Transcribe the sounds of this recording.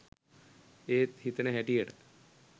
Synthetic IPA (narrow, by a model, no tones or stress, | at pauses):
eːt̪hit̪neɦeʈieʈ